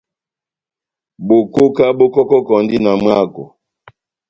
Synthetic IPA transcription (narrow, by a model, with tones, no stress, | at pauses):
bo˨ko˦ka˦bo˦kɔ˦kɔ˦kɔ˨n˦di˦na˨m˦a˦˨kɔ̰˨